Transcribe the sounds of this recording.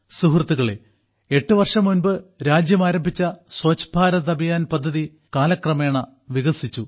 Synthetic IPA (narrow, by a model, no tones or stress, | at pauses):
suɦrt̪ːuɣɐɭḛ | e̞ʈːɨʋɐrʂɐmːunbɨɾaːd͡ʑjɐmaːɾɐmbʱit͡ɕːɐswɐt͡ɕbʱaːɾɐðɐbijaːnpɐd̪ʱːɐði | kaːlɐkrɐme̞ːɳɐ | ʋiɣɐsit͡ɕːu